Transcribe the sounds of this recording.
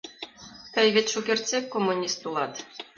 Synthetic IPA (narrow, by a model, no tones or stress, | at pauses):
k̪ɘjβet̪ʲʃukʲerʲt͡sʲekːomːunʲist̪ulˠɑt̪